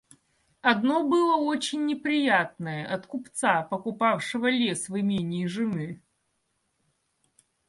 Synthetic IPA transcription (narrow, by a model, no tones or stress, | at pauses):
ɐd̪nobɨlˠəot͡ɕɪnʲːɪpɾʲɪjat̪̚nəjəʔɐt̪kʊpt̪sapəkʊpafʂɨvəlʲesvɨmʲenʲɪjʐɨnɨ